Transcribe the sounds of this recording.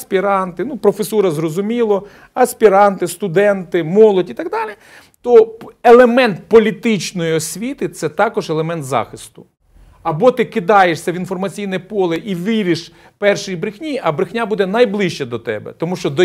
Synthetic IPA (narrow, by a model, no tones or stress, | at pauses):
sʲpʲiɾɑnt̪ɪnupɾɔfesuɾɐzrɔzʊmʲilˠɔ | ɐsʲpʲiɾɑnt̪ɪst̪ʊd̪ɛnt̪ɪmɔlˠɔdʲit̪ɐɡd̪ɑlʲi | t̪ɔelˠemɛnt̪̚pɔlʲit̪ɪt͡ʃnɔjiɔsʲʋʲit̪ɪt̪sɛt̪ɑkɔʒelˠemɛnt̪zɑ̰xɪst̪ʊ̥ | ɐbɔt̪ɪkɪd̪ɑjeʃsʲɐʋinfɔrmɐt͡sʲijnɛpɔlˠɪʔiʋɪɾʲɪʃ | pɛrʃɪjibɾɪxnʲiɐbɾɪxnʲabud̪ɛnɐjblˠɪʃt͡ʃɛd̪ɔt̪ɛ̰bɛ̰t̪ɔmuʃt͡ʃɔd̪ɔ